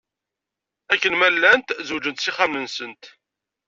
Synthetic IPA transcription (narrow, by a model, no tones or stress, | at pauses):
ækːənmælːænt̪zud͡ʒənt̪siχamnənsənt̪